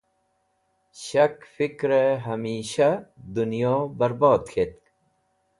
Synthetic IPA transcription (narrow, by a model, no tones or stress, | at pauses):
ɕɐkfikɾeɦɐmiːɕɐd̪unjoːbɐɾboːd̪xʰet̪̚k